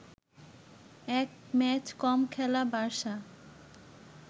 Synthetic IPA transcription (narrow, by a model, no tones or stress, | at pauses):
ɛkmɛt͡ɕkɔmkʰɛlabaɾʃa